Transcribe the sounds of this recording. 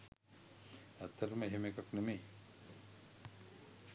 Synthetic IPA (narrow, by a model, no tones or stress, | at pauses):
æt̪ːəɾəməeɦemekaknemeː